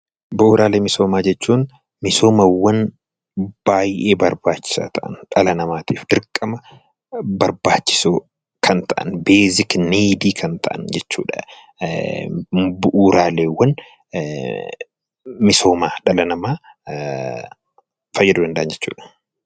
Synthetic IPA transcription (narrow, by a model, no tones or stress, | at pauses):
bʊʔuːɾʔaːleːmɪso̞ːmaːd͡ʒɛt͡ʃːuːn | mɪso̞ːmɐwːɐn | b̥aːjʔeːbɐɾbaːt͡ʃːɪ̥sa̰ːt̪ʰɐʔɐ̰nᶑɐlɐnɐmaːt̪iːfd̪ɪɾkʼːɐmɐ | bɐɾbaːt͡ʃːɪ̥soː | kʰɐnt̪ʰɐʔɐ̰nbeːzɪkneːd̪iːkʰɐnt̪ʰɐ̰ʔɐ̰nd͡ʒɛt͡ʃːṵːᶑɐ̥ | bʊʔuːɾaːleːwːɐn | mɪso̞ːmaːᶑɐlɐnɐmaː | fɐjːɛd̪ʊdɐnd̪ɐʔɐnd͡ʒɛt͡ʃːṵːᶑɐ̥